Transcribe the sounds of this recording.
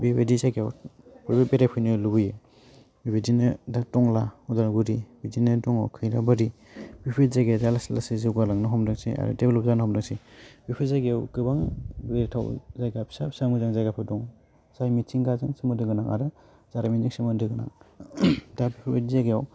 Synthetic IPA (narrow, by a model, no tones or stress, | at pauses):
biwedizajɡejawpʰɔbabeɾapʰɯjnilubuje | bibidinɯdatɔŋlaɔdaɾɡuɾibidinɯdɔŋawkʰɯjɾabaɾi | b̥ipʰizaɡedalaslasizɯwɡalaŋnɯɦɔmdɯŋsia̰ɾɯ̰debelɔp̚zanɔhɔmdɯŋsibipʰizajɡeawkɯbaŋbeɾtʰawzajɡapʰsapsamuzaŋzajɡapʰɯdɔŋ | zajmit͡ʃiŋɡazɯŋsimɯdɯɡɯnaŋʔa̰ɾɯ | zaɾaminzɯŋsimandɯɡɯna̰ŋ | dabipʰbedizaɡeaw